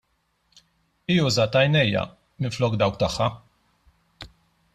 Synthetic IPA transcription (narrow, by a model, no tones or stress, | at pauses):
iːjuːzɐt̪ɐjnɛjːɐ̰ | mɪnflɔːkd̪ɐwk̚t̪ɐħːɐ